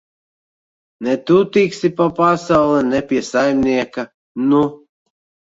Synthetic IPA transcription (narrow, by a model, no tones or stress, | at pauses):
nɛt̪ut̪iksʲipapasawlˠɛnɛpʲiɛsajmʲnʲiɛka | nu